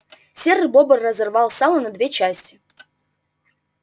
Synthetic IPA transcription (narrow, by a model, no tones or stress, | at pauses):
sʲerɨbobərːəzɐrvalˠsalˠənɐd̪vʲet͡ɕæsʲtʲɪ